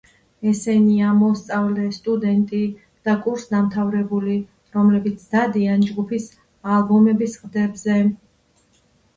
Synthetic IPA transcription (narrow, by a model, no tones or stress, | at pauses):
ɛsɛniamɔst̪sʼavlɛst̪ʼud̪ɛnt̪ʼi | d̪̥akʼuɾsd̪amt̪ʰavɾɛbuli | ɾɔmlɛbit̪sʰd̪̥ad̪iand͡ʒɡupʰis | albɔmɛbisqʼd̪ɛbzɛ